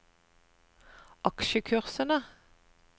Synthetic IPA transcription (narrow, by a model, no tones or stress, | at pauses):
ɑkʃəkʰʉʁsənə